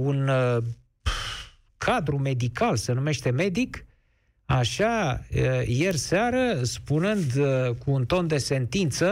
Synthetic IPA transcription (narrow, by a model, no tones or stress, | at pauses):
un | kʰad̪ɾume̞d̪ikalsenume̞ʃt̪e̞me̞d̪ik | aʃa | je̞rseaɾəspunɨnd̪kuːnt̪o̞nd̪e̞se̞nt̪int̪sə